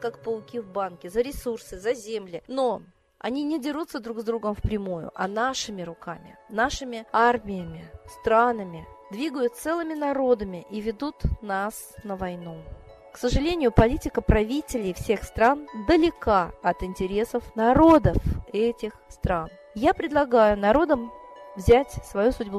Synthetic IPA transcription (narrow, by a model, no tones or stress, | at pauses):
kakpəlˠʊkʲivbankʲɪzəɾʲɪsursɨzɐzʲemlʲɪno̞ | ɐ̰nʲinʲɪdʲɪʐut̪sːəd̪ɾuɡzd̪ɾuɡəmfpɾʲɪmujʊ̰ʔɐnaʂɨmʲɪɾʊkamʲɪ̰naʂɨmʲɪarmʲɪjəmʲɪst̪ɾanəmʲɪd̪vʲiɡəjʊt̪t̪sɛlˠɨmʲɪnɐɾo̞d̪əmʲɪʔivʲɪd̪ut̪nasnəvɐjnu | ksəʐɨlʲenʲɪjʊpɐlʲitʲɪkəpɾɐvʲitʲɪlʲɪjfsʲe̞xst̪ɾand̪əlʲɪkaɐt̪ɪnʲtʲɪɾʲe̞səfnɐɾo̞d̪əfɛtʲɪxst̪ɾan | japɾʲɪd̪lˠɐɡajʊnɐɾo̞d̪əmvzʲætʲsvɐjusʊdʲbu